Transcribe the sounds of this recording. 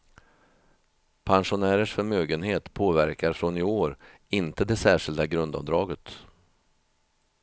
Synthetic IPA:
pʰanʂʊnæːɾəʂfœɾmøːɡənheːt̪pʰoːvæɾkaɾfɾɔnɪoːɾ | ɪnt̪əd̪ɛsæːʂɪld̪aɡɾɵnd̪ɑ̰vd̪ɾɑːɡət̪

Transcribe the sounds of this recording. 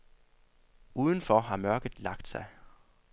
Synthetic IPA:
ʔuːð̞ˠən̩fɒɦɑ̈mɶɐɡ̥ð̩ˠlɑ̈ɡ̥d̥sɑ̈ɪ

